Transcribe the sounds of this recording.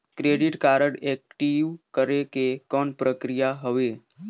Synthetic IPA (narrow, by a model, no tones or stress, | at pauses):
kɾeɖiʈkaɾəɽek̚ʈiʋkəɾekekɔɳpɾəkɾijaɦəʋe